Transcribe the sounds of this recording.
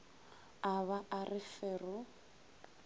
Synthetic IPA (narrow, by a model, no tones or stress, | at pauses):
aβaarɪfɛrʊ